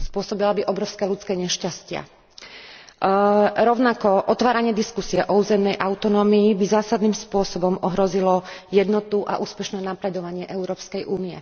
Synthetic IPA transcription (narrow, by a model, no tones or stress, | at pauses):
spʊɔsɔbilabiʔɔbɾɔʊskɛːlut͡skɛːɲɛʃcascɪa̰ | ɾɔʊnakɔʔɔt̪ʋaːɾaɲɪɛd̪iskusiɛʔɔuːzɛmnɛjʔaʊt̪ɔnɔːmiːbizaːsad̪niːmspʊɔsɔbɔmʔɔɦɾɔzilɔjɛd̪nɔt̪uʔa̰ʔuːspɛʃnɛːnapɾɛd̪ɔʋaɲɪɛʔɛʊɾɔːpskɛjʔuːniɛ̰